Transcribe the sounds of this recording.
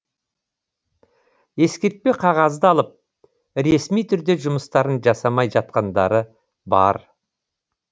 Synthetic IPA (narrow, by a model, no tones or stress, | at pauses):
e̞skʲe̞ɾt̪̚pe̞qʰɑʁɑzd̪əɑlˠəp̚ | ɾe̞smijt̪ʰʏɾd̪e̞ʒʊməst̪ɑɾənʒɑsɑmɑjʒɑt̪̚qɑnd̪ɑ̰ɾə | bɑ̰ɾ